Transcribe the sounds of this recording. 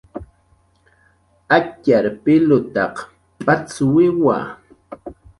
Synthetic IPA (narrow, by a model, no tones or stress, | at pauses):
acaɾpɪlʊt̪ɑq | pat͡swɪwa̰